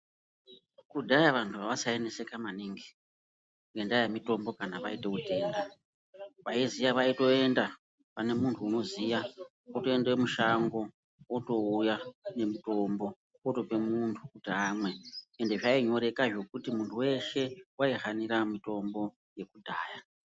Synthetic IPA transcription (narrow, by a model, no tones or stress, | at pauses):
kudʱajaʋantʰuʋaʋasae̞ne̞se̞kamaniŋɡi̥ | e̞ndajamito̞mbo̞kanaʋa̰ite̞ute̞ːnda | ʋaizijaʋaito̞e̞nda | pane̞muntʰuːno̞zija | oto̞e̞ndewemuʃaŋɡo̞ | oto̞ujane̞mito̞mbo̞ | oto̞pe̞muntʰukutiamwe̞ende̞ʐaiɲo̞ɾe̞kaʐo̞kutimuntʰuwe̞ʃe̞waiɦaniɾamito̞mbo̞ | je̞kudʱaːja